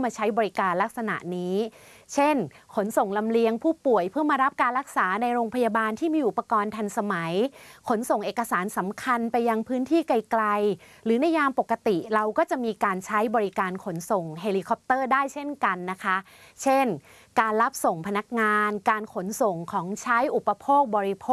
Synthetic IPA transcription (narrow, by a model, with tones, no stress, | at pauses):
maː˧t͡ɕʰa˦˥jbɔː˧ɾi˦˥kaː˧nla˦˥k̚sa˧na̰˨˩ʔniː˦˥ | t͡ɕʰe˥˩nkʰo˨˩˦nso˨˩ŋla˧mli˧əŋpʰuː˥˩pu˨˩əjpʰɯ˥˩ɐmaː˧ɾa˦˥p̚kaː˧nɾa˦˥k̚saː˩˦na˧jɾoː˧ŋpʰa˧jaː˧baː˧nt̪ʰiː˥˩miː˧ʔu˨˩pːa˧kɔː˧nt̪ʰa˧nsa˧ma˩˦jkʰo˩˦nso˨˩ŋʔeː˨˩ka˧saː˩˦nsa˩˦mkʰa˧npa˧jːa˧ŋpʰɯː˦˥nt̪ʰiː˥˩ka˧jkla˧j | ɾɯː˩˦na˧jːaː˧mpo˨˩kːa˧t̪i˨˩ʔɾa˧wkɔː˥˩t͡ɕa˨˩ʔmiː˧kaː˧nt͡ɕʰa˦˥jbɔː˧ɾi˦kaː˧nkʰo˩˦nso˨˩ŋɦeː˧liː˧kʰɔ˦˥p̚t̪ɤː˥˩daː˥˩jt͡ɕʰe˥˩nka˧nːa˦˥kʰa˦˥ | t͡ɕʰe˥˩n | kaː˧nla˦˥p̚so˨˩ŋpʰa˧na˦˥k̚ŋaː˧nkaː˧nkʰo˩˦nso˨˩ŋkʰɔː˩˦ŋt͡ɕʰa˦˥jʔu˨˩pːa˧pʰoː˥˩k̚bɔː˧ɾi˧pʰoː˥˩